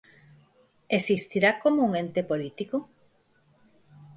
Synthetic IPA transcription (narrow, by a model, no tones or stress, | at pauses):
esist̪iɾakomouŋent̪epolit̪iko